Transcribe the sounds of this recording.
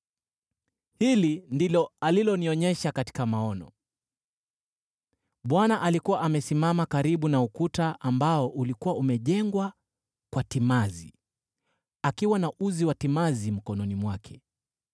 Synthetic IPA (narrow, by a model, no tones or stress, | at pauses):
hilindilɔalilɔniɔɲɛʃakati̥kamaɔnɔ̰ | ɓwanaʔalikuwaʔamɛsimamakaɾiɓunaukutaʔambaɔʔulikuwaumɛʄɛŋɡwa | kwatimazḭ | akiwanauziwatimazim̩kɔnɔnimwakʰɛ